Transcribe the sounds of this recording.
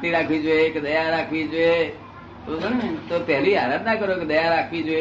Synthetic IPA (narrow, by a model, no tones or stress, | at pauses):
t̪iɾaːkʰʋid͡ʒoekd̪əjaɾaːkʰʋid͡ʒoe | t̪oənt̪opɛɦliaːɾət̪nakəɾokd̪əjaɾaːkʰʋid͡ʒoe